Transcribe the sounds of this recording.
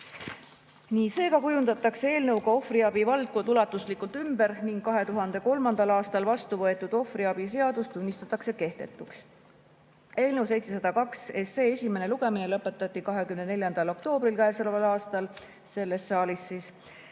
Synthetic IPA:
niːse̞ːkɑkujund̪̥ɑt̪ːˑɑkse̞e̞ːlnɤwɡɑo̞friɑb̥ivɑld̪̚kond̪ulɑt̪ːˑuslikːˑult̪ymbe̞ɾniŋɡ̥kɑɦe̞t̪uɦɑnd̪̥e̞ko̞lmɑnd̪ɑlɑːst̪ɑlvɑst̪uvɤ̞e̞t̪ːˑud̪̥o̞friɑb̥ise̞ɑd̪̥ust̪ːunʲːist̪ɑt̪ːˑɑkse̞ke̞ht̪e̞̰t̪ːˑuks | e̞ːlnɤwse̞jt̪se̞sɑd̪̥ɑkɑkse̞se̞ːesʲime̞ne̞luɡ̥e̞mine̞lɤpːˑe̞t̪ːˑɑt̪ːˑikɑɦe̞kymnene̞lʲjɑnd̪̥ɑlo̞k̚t̪o̞ːb̥ɾilkæesolevɑlɑːst̪ɑl | se̞lːe̞sːɑːlisːiːs

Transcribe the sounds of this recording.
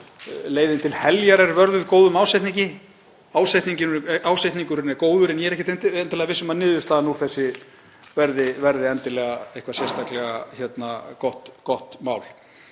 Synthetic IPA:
leːjðɪnt̪ʰɪlhɛljaɾɛɾvœɾðʏðkoːwðʏmaːwsajt̪niɲcɪ | aːwsajt̪niɲcɪnaːwsajt̪niŋkʏɾɪnɛkoːwðʏɾɪɛnjɛɾɛhcɪ̥t̪nɛnt̪ɪlɛɣavɪsʏmaðnɪːðʏst̪aːðnuθɛsːɪ | vɛɾðɪvɛɾðɪɛnt̪ɪlɛɣaehkvasjɛst̪aklɛɣa̰çɛt̪nakɔht̪kɔht̪maːwl

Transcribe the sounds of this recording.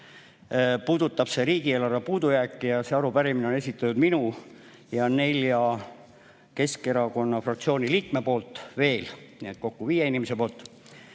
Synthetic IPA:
puːd̪̥ut̪ːˑɑb̥se̞ɾiːɡ̥ieːlɑrvepuːd̪̥ujæːkːˑijɑse̞ɑɾupæɾimineo̞ne̞s̬ʲit̪ːˑɑt̪ud̪minu | jɑne̞lʲjɑ | ke̞ske̞ɾɑko̞nːɑfrɑkt̪sio̞ːnʲiliːk̚me̞po̞ːlt̪ːˑve̞ːlniet̪̚ko̞kːuviːjeinimese̞po̞ːlt̪

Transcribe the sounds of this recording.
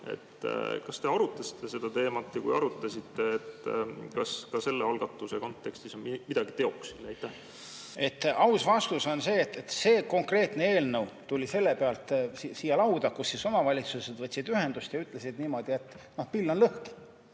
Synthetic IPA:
ḛt̪ːkɑst̪e̞ɑɾut̪ːˑɑsi̥t̪ˑːe̞se̞d̪̥ɑt̪e̞ːmɑt̪ːɑkṵjɑ̰ɾut̪ːˑɑsit̪ːeːt̪kɑskɑse̞lːeɑlɡ̥ɑt̪ːˑuseko̞nt̪ːˑe̞kst̪isonmimid̪ɑɡ̥it̪e̞o̞ksid̪æjt̪ːˑæh | e̞t̪ːˑʔɑwsvɑst̪uso̞nse̞ːt̪ːet̪se̞ːko̞ŋkre̞ːt̪ne̞eːlnɤwt̪ulʲise̞lːe̞peɑlt̪sisiːjɑlɑwd̪̥ɑkusːiso̞mɑvɑlʲit̪sused̪̥vɤt̪ʲːsid̪yɦhe̞nd̪ust̪jɑyt̪ːˑle̞sid̪niːmo̞d̪̥ie̞t̪ː | no̞hpilːonlɤhki̥

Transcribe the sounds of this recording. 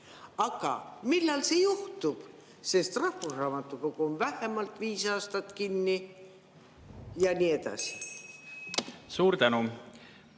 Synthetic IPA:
ɑɡ̥ɑ̰milːɑlse̞juht̪ub̥ | se̞st̪rɑhːusrɑːmɑt̪ːˑuko̞ɡ̥uonvæhemɑlt̪viːsɑːst̪ɑt̪kinːi | jɑnʲiːe̞d̪̥ɑ̰si̥ | suːɾt̪ænu

